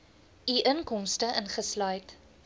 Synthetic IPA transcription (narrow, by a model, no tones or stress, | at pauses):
iʔənkɔmstəʔənχəslœɥt